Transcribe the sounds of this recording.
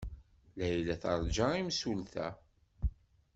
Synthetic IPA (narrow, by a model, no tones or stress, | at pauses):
læjlæθɑɾˤd͡ʒaimsulθæ̰